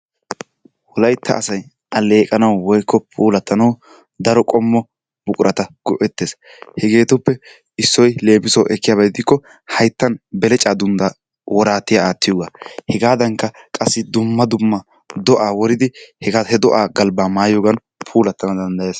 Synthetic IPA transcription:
wɔlɐjt̪ʰːɐ̰ʔːsɐj | ʔɐle̞ːkʼɐnɐwwɔjkːɔpʰuːlɐt̪ːɐnɐw | d̪ɐɾɔkʼɔmːɔ | bʊkʼʊɾʔɐt̪ɐɡ̥ɔʔɛt̪ːeːs | hɛɡe̞ːt̪ɔpːɛ | ɪsːɔjle̞ːbɪsɔwʔɛkːɪjaːbɐjɪd̪ɪkːɔ | hɐjt̪ːɐnbɛlɛt͡ʃʼaːd̪ʊnd̪a | wʔɔɾaːt̪ːɪjaaːt̪ːɪjoːɡahɛɡaːd̪ɐŋkːɐkʼɐsːɪd̪ʊmːɐd̪ʊmːɐ | d̪ɔʔaːwɔɾɪd̪ɪhɛɡahɛd̪ɔʔaːɡɐlbaːmaːjoːɡɐn | pʰuːlɐt̪ːɐnɐd̪ɐnd̪ɐjeːs

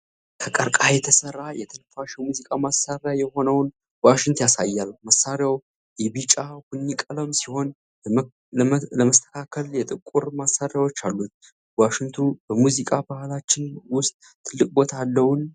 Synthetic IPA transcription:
kʰəkʼəɾkʼajɛt̪ʰəsərːajɛt̪ʰəlfaʃɛmuzikʼamasaɾjajɛho̞nəwn | waʃɪŋt̪jasa̰jːalməsaɾjaw | ʔɛβit͡ʃʼahunːikʼələmsiho̞n | ləməst̪ʰə̥kʰakʰəljɛt̪ʼɨkʼːuɾmasaɾjawot͡ʃːalːut̪̚ | waʃɪŋt̪ʰubəmuzikʼabahalat͡ʃːɪnwʊst̪ʼ | t̪ʰːɨlːɨkʼbo̞t̪ʰalːəwn

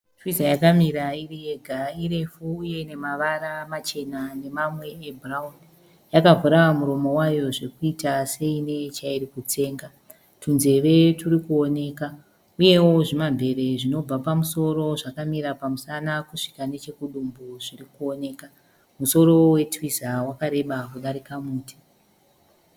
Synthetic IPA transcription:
twisajakamiɾairie̞ɡʱaiɾefuːje̞ne̞maʋaɾamat͡ʃe̞nane̞mamwe̞ːbraun | jakavuɾawamuɾo̞mo̞wajo̞ʐe̞kuitase̞ine̞t͡ʃairikut͡se̞ːŋɡa | tunze̞ʋe̞turikuo̞ne̞ːka | uje̞wo̞ʐimambʱe̞ɾe̞ʐino̞b͡vapamuso̞ɾo̞ʐakamiɾapamusanakuʂi̥kane̞t͡ʃe̞kuɗumbuʐirikuo̞ne̞ːka | muso̞ɾo̞we̞twizawakaɾe̞ɓakuɗaɾikamuːti̥

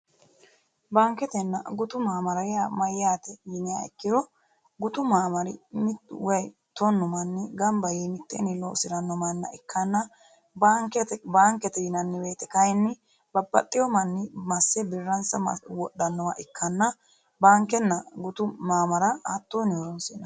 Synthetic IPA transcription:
baːŋkːɛt̪ɛnːɐɡʊt̪ʊmaːmɐɾɐjamɐjɪjaːt̪ɛjɪnɪja̰ɪ̰kːɪɾɔ | ɡʊt̪ʊmaːmɐɾɪmɪwɐj | t̪onːɔmɐnːɪɡɐmbɐjimɪt̪ːɛnɪlo̰ːsɪɾɐnːɔmɐnːɐ̰ʔɪkːɐnːɐ | baŋkɛt̪baːŋkɛt̪ɛjɪnɐnːɪweːt̪ɛkɐjnːɪ | bɐbːɐ̰t̪ʼːɪjɔmɐnːɪmɐsːɛbɪrːɐnsɐwɔɗːɐnːɔwaʔɪkːɐnːɐ | baːŋkɛnːɐɡʊt̪ʊmaːmɐɾɐat̪ːoːnɪɔɾɔnsɪn

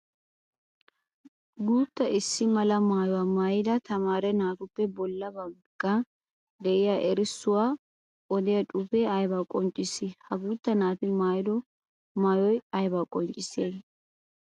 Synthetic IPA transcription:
ɡuːt̪ːɐʔɪsːɪmɐlɐmaːjɔwaːmaːjɪd̪ɐt̪ɐmaːɾɛnaːt̪ʊpːɛbɔlːɐbɐŋkːɐ | d̪ɛʔɪjaːʔɛɾɪsːʊwaː | ʔɔd̪ɪjɐt͡ʃʼʊfɛɐjbakʼɔnt͡ʃʼːɪsɪhɐɡuːt̪ːɐnaːfɪmaːjɪd̪ɔ | maːjɔjɐjbakʼɔnt͡ʃʼːɪseːn

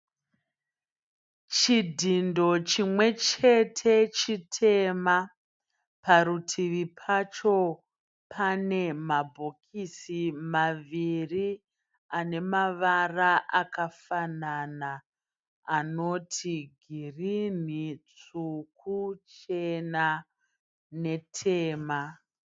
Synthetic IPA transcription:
t͡ʃidʱindo̞t͡ʃimwe̞t͡ʃe̞tʰe̞t͡ʃitʰe̞ma | paɾutʰiʋipʰat͡ʃo̞ | pʰane̞mabʱo̞kʰisimaʋiri | ane̞maʋaraʔakafanana | ano̞tʰiɡʱirin̤it͡suk̚ut͡ʃe̞na | ne̞tʰe̞ːma

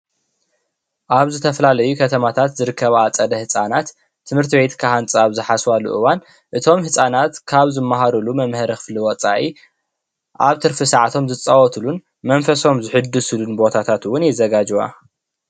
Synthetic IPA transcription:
ʔaβzɨt̪ʰɐfɐlalɐjukʰɐt̪ʰɐmat̪ʰat̪zɨɾɨkʰːɐβat͡sʼɐd̪ɐhɨsʼanat̪ʰː | ɨmhɨɾt̪ʰiβe̞t̪kʰahant͡sʼaβzɨħaswalṵʔɨwan | ʔɨt̪ʰo̞mhɨsʼanat̪kʰaβzɨmːaɦaɾulumɐmhɐɾɐxɨ̥fliwɔt͡sʼaʕi | ʔaβt̪ʰɨɾfɨsaʕt̪ʰo̞mzɨt͡sʼːɐwɔt̪ʰɨlun | mɐnfɐso̞mzɨħɨd̪ːɨsɨlunbo̞t̪ʰat̪ʰat̪wʊnjɛzɐɡad͡ʒɨwa̰

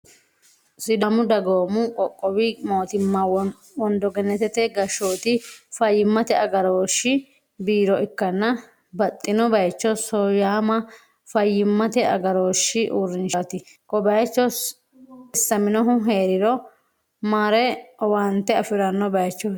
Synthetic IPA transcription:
sɪd̪ɐmʊd̪ɐɡoːmʊkʼɔkʼːɔwɪmo̞ːt̪ɪmːɐ | wɔnd̪ɔɡɛnːɛt̪ɛt̪ɛɡɐʃoːt̪ɪfɐjːɪmːɐt̪ɛɐɡɐɾoːʃːɪ | biːɾɔʔɪkːɐnːɐ | bɐt̪ʼːɪnɔbɐjt͡ʃːɔsɔjaːmɐ | fɐjːɪmːɐt̪ɛɐ̰ɡɐɾo̞ːʃːɪʔuːɾːɪnʃat̪ɪ | kɔbɐjt͡ʃːɔs | ɪsːɐmɪnɔɦʊɦeːɾɪɾɔ | maːɾɛwɐnt̪ːɛɐfɪɾɐnːɔbɐjt͡ʃːɔ

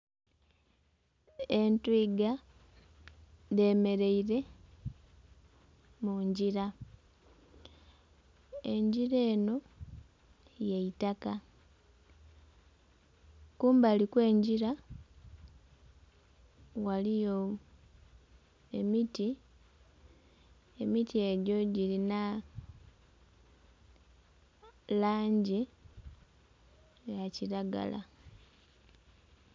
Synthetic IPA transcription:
entwiːɡa | de̞me̞ɾeiɾe̞ | muɲɟiɾa | e̞̰ɲɟiɾe̞ːno̞ | jeitaka | kuːmbalikwe̞ːɲɟiɾa | walijo | emiti | emitie̞ɟo̞ɟilina | laːɲɟi | jaciɾaɡa̰la̰

